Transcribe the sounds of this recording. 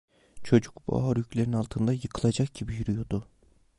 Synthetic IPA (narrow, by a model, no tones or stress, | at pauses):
t͡ʃʰo̞d͡ʒukbṵa̰aɾjycʰlʲeɾinalˠt̪ʰɯnd̪ajɯkʰɯlˠad͡ʒak̚ɟibijyɾyjod̪ʊ